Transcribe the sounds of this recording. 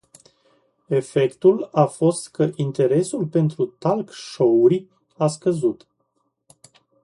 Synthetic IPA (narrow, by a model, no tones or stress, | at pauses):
e̞fe̞kt̪ulafo̞st̪kəʔint̪e̞ɾe̞sulpe̞nt̪ɾut̪alkʃo̞uɾʲ | askəzut̪